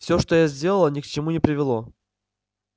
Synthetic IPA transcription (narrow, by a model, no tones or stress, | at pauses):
fsʲoʂt̪ojazʲdʲe̞lˠəlˠənʲɪkt͡ɕɪmunʲɪpɾʲɪvʲɪlˠo̞